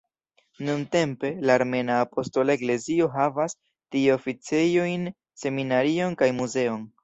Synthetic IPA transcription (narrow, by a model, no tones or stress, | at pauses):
nunte̞mpe̞laːɾme̞naːpo̞sto̞laekle̞zio̞ɦavas | tiofit͡se̞jo̞jn | se̞minaɾio̞nkajmuze̞o̞n